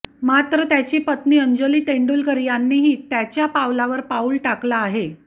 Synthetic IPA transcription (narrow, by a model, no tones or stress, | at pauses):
mat̪ɾət̪jat͡ɕiːpət̪niːəɲd͡ʑəliːʈeɳɖuːlkəɾjanːiːɦiːt̪jat͡ɕjapawlaʋəɾpauːlʈaklaːɦe